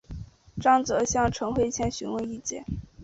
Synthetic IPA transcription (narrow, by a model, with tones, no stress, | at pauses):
ʈ͡ʂɑ˥˩ŋt͡sɤ˧˥ɕjɑ˥˧ŋʈ͡ʂʰɤ˧˥ŋxwe˥˧ɪt͡ɕʰjɛ˥˩nɕy˧˥nwə˧ni˥˧t͡ɕjɛ̰˥˩